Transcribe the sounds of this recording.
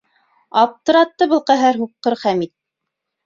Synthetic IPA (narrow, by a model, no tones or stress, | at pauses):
ɑp̚t̪ɤ̆ɾɑt̪ːɤbɤ̆lˠqæɦæɾɦup̚qɤɾχæmit̪̚